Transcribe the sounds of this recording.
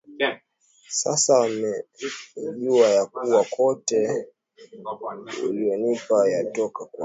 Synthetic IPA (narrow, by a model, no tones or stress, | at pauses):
sa̰samɛ | ʄuajakuwakɔtɛ | ṵliɔnipajatɔkakwa